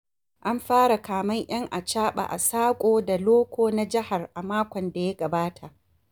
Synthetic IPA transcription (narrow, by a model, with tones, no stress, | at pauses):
ʔa˦mɸaː˦ɽa˨kaː˨mɐ˦ɲj̰ɐ˦ŋʔa˨t͡ʃaː˦ɓa̰˨ʔa̰˨saː˦kʷʼoː˦da˨loː˦kʷoː˦na˦d͡ʒɪ˦ha˨rʔa˨maː˦kʷɔ˨nda˨ja˦ɡɐ˨baː˦tʰa˨ʔ